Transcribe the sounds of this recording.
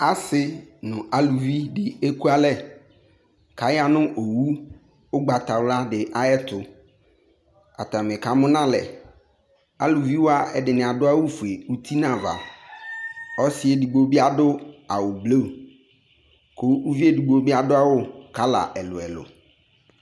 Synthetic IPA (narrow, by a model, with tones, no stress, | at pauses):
a˦sɪ˦nʊ̃˨ʔa˨lu˨vi˦dɪ˨e˦ku˦a˦lɛ˦ | ka˨ja˦nʊ̃˦ʔo˨wu˦ | ʊ˦ɡ͡ba˨t̪a˨wla˦dɪ˨ʔa˦ɛ˦t̪ʊ˨ | a̰˨t̪a˨mɪ̃˨ka˨mʊ̃˦nã˦lɛ˨ | a˨lu˨vi˦wo˦a˦ɛ˨dɪ˨nɪ̃˨a˨dʊ˦a˦wʊ˦fu˨e˨u˦t̪ʰi˦nã˨va̰˨ | ɔ˦sɪ˦e˨di˨ɡ͡bo˦bi˦a˦dʊ˦a˨wʊ˨blo˦˨ | kʰo˦u˦vi˦e˦di˨ɡ͡bo˦bi˦a˦dʊ˦a˦wʊ˦ka˦la̰˨ʔɛ˨lʊ̰˨ɛ̰˨lʊ̰˨